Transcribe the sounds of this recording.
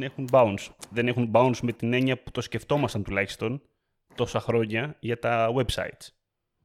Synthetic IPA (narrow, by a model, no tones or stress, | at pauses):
ne̞xunbɐunsðe̞ne̞xunbɐunsme̞t̪ine̞ɲɐpu̥t̪o̞sce̞ft̪o̞mɐst̪ɐnt̪ulɐçist̪o̞n | t̪o̞sɐxɾo̞ɲɐʝɐt̪ɐwe̞bsɐ̰it̪s